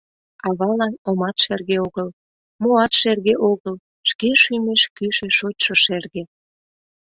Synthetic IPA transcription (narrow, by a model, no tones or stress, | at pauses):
ɑβɑlɑnomɑt̪ʃerɣeoɣəl | moɑt̪ʃerɣeʔoɣəl | ʃkeʃymeʃkyʃĕʃot̪ʲʃoʃerɣe